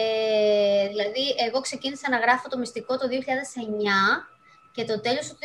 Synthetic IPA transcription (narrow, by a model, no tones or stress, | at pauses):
e | ðilɐðie̞ɣo̞kse̞cinisɐnɐɣɾɐfo̞t̪o̞mist̪iko̞t̪o̞ðioçiʎɐðe̞se̞ɲɐ | ce̞t̪o̞t̪e̞lo̞st̪u